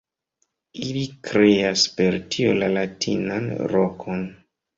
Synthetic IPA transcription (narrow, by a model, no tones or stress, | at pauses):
ilikɾe̞aspe̞ɾtʰio̰lalatʰḭnanɾokʰo̞n